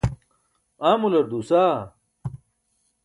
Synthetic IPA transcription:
aːmulɐɾd̪usaː

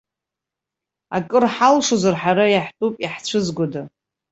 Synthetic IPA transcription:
a̰kʼɨrħalʂozarħaɾajaħtʼupʼiħt͡ɕʷʰɨzɡʷoda

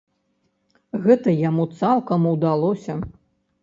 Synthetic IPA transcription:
ɣɛt̪ɐjamut̪salˠkɐmuwd̪alˠɔsʲɐ

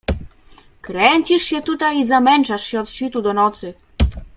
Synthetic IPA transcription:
kɾɛɲt͡ɕiʂɕɛt̪ut̪ajizamɛnt͡ʂaʂɕɛɔt̪ɕfʲit̪ud̪ɔnɔt̪sɘ

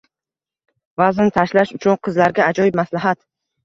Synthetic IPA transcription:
vazɪnɪt̪ʰaʃlaʃʊt͡ʃʰʊnqʰɨzlaɾɡʲaːd͡ʒɒjɪb̚maslaɦat̪

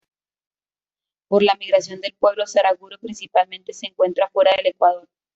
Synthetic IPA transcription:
po̞ɾlamiɣɾasjond̪e̞lpwe̞βlo̞saɾaɣuɾopɾinsipalmẽ̞nt̪e̞se̞ːŋkwe̞nt̪ɾafwe̞ɾaðe̞le̞kwað̞o̞ɾ

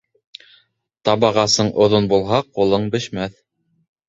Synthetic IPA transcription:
t̪ɑβɑʁɑsɤɴʔŏðonbulˠɦɑqulˠɤɴbɘ̆ʃmæθ

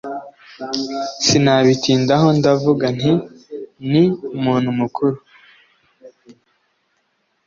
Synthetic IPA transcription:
sinaβitiːndaɦo̞ndavuɡan̥i | nimuːn̥humukuɾu

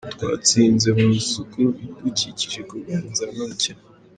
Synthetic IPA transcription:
tkwa̰ːt͡siːnze̞musukuβikuciciʒekuβanzamaca

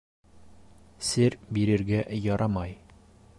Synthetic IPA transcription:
sɘɾbiɾɘ̆ɾɡæʔjɒɾʔɑmɑj

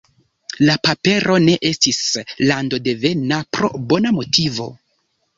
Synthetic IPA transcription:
lapape̞ɾo̞ne̞ʔe̞stislando̞de̞ve̞napɾo̞̰bo̞namo̞tʰivo̞̰

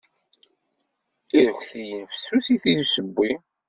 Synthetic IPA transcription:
iɾəçθijənfə̥sːuθiθiðsəbːi

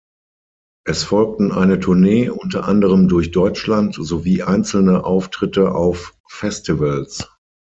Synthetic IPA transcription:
ʔɛsfɔlk̚tn̩ʔa̰ɪnətʰʊɐneːʔʊntɐʔandəʁ̞əmdʊɐçd̥ɔʏt͡ʃlantz̥oviːʔaɪ̃nt͡sl̩nəʔaʊftʁ̥ɪtəʔaʊfː | ɛstivəls

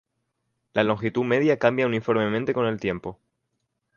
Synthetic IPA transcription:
lalo̞ŋxit̪ume̞ðjakambjaunifo̞ɾme̞mẽnt̪e̞ko̞ne̞lt̪je̞mpo̞

